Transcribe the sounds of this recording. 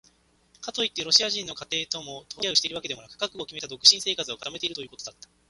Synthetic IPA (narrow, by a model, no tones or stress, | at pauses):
kat̪o̞it̪ːe̞ɾo̞ɕiaʑĩnːo̞kat̪e̞ːt̪o̞mo̞t̪ʰo̞jaɯ̟ɕit̪e̞iɾɯβake̞d̪e̞mo̞nakɯ̟kakɯ̟o̞kʲime̞t̪ad̪o̞kɯ̟ɕĩse̞ːkat͡sɨo̞kḁt̪ame̞t̪e̞iɾɯt̪o̞jɯ̟ːko̞t̪o̞d̪at̪ːḁ